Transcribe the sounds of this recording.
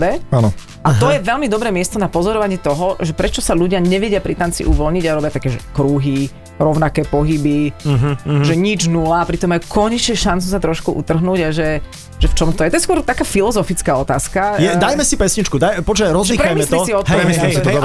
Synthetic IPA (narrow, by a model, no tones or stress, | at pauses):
ɛanɔ | ʔat̪ɔjɛʋɛlmid̪ɔbɾɛːmɪɛst̪ɔnapɔzɔɾɔʋaɲɪɛːt̪ɔɦɔʒɛpɾɛt͡ʃɔsaʎuɟɪaɲɛʋɛɟɪapɾit̪ant͡sḭʔṵʋɔlɲiɟaɾɔbjat̪akɛːʒɛkɾuɦi | ɾɔʊnakɛːpɔɦibiɦʒɛɲid͡ʒnulapɾit̪ɔmːajukʰɔɲɛt͡ʃɛʃant͡sus̬at̪ɾɔʃkuʔṵt̪r̩ɦnuːɟaʒɛ | ʒɛft͡ʃɔmt̪ɔjɛt̪ɔjɛskʊɔɾt̪akaːfilɔzɔfit͡skaɔt̪aːskajɛd̪ajmɛsipɛsɲit͡ʃkud̪ajpɔt͡ʃɛɾɔzlipɾajmiɛsiɔsiɔt̪ɛɛmisɛsid̪